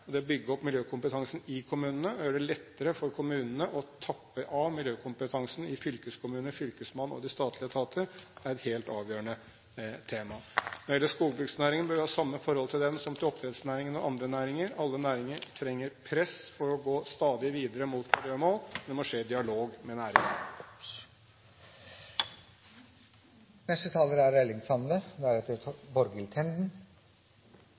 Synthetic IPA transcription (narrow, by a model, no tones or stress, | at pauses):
ɔd̪ɛɔbʏɡːəɔpmɪljøːkʰʊmpət̪ʰɑŋsn̩ɪkʰʊmʉːnənəɔjøːɖɛlɛt̪ːəɾəfɔɾkʰʊmʉːnənəʔɔt̪ʰɑpːəʔɑʋmɪljøːkʰʊmpət̪ʰɑŋsn̩ɪfʏlkəskʰʊmʉːnəfʏlkəsmɑnːɔ̰d̪ɪst̪ɑːt̪ʰlɪət̪ʰɑːt̪ʰəɾæɾɛt̪heːlt̪ɑːʋjøːɾəɳə | t̪ʰeːmɑnɔɾɪɛlːəʂkuːɡbɾʉɡsnæːɾɪŋənbøɾʋɪhɑːsɑmːəfɔɾhɔlt̪ʰɪld̪ɛnsɔmt̪ʰɪlɔpt̪ɾɛd̪snæːɾɪŋənɔʔɑnd̪ɾənæːɾɪŋəɾɑlːənæːɾɪŋəɾʈʰɾɛŋːəɾpʰɾɛsfɔɾɔɡoːst̪ɑːd̪ɪʋiːd̪əɾəmuːt̪mɪlɪjøːmoːld̪ɛmɔʂeːd̪ɪɑloːɡmɛnæːɾɪŋən | nɛst̪ət̪ʰɑːləɾæɾɛlɪŋsɑnd̪əd̪ɛæɾɛt̪ːəbɔɾɡəlt̪ʰɛnd̪n̩